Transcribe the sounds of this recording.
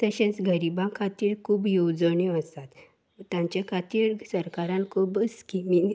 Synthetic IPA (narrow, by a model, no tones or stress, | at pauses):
t̪əɕẽt͡sɡʱəɾibãkʰat̪iːɭkʰuːbjowd͡zəɳeəst̪at̪ | t̪jãɲt͡ɕakʰat̪iːɭsəɾkaɾãnkʰuːbskimin